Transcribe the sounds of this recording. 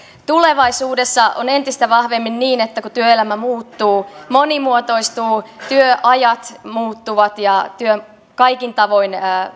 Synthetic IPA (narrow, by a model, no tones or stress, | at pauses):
t̪uleʋɑisuːdesːɑo̰nent̪ist̪æʋɑhʋemːinniːnet̪ːækut̪yøelæmæmuːt̪ːuːmonimuot̪o̞ist̪uːt̪yøʔɑjɑt̪muːt̪ːuʋɑt̪jɑt̪yø | kɑikint̪ɑʋoinː